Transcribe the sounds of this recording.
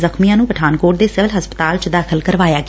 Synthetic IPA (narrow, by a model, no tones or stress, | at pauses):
zəxmijãːnũːpəʈʰaːnkoːʈ̚d̪eːsɪʋəlɦəspə̥t̪aːlt͡ʃd̪aːkʰəlkəɾʋaːjaːɡ